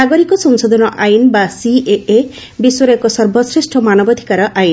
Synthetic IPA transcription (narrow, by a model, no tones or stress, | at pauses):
aɡɔɾikɔsɔŋsɔd̪ʱɔnɔʔajinbasieʔe | biswɔɾekɔsɔɾbɔsɾisʈʰɔmanɔbɔd̪ʱi̥kaɾɔʔajn